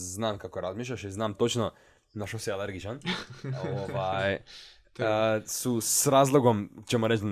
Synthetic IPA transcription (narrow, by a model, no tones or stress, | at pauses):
znaːmkakoɾazmiːʃ̬ʎʲaʃiznaːmt̪ot͡ʃno | naʃosialeɾɡit͡ʃan | oʋaj | susɾaːzlˠoɡomt͡ɕemoɾet͡ʃ̪